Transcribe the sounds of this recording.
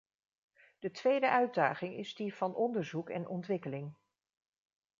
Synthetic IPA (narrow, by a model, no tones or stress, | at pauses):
d̥ətʋejdəʔœɥdaːχɪŋɪ̰zdiv̥ɑnʔɔndəɹzukɛ̰nʔɔntʋɪkəlɪŋ